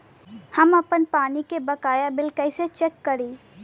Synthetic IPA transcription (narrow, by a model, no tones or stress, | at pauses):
hɐmɐpənpaːnikebɐkaːjabɪlkɐɪset͡ʃɛkːɐɾiː